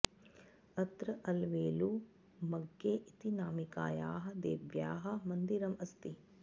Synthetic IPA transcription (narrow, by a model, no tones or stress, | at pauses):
ɐt̪ɾɐʔɐlʋeːlu | mɐɡːeːʔit̪inaːmika̰ːjaːɦɐ̆d̪ḛːʋjaːɦɐ̆mɐnd̪iɾɐmɐst̪i